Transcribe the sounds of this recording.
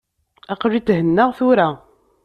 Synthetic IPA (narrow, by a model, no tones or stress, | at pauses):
aqʒit̪ːɦənːəʁθuɾa